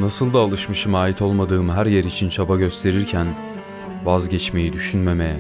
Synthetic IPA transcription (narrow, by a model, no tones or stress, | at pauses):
nasɯlˠd̪aːlˠɯʃmɯʃɯmaːjit̪ʰo̞lˠmad̪ɯːmɦæɾjeɾit͡ʃʰint͡ʃʰabaɟø̞st̪ʰe̞ɾiɾcʰæn | vazɟɛt͡ʃme̞jid̪yʃynme̞me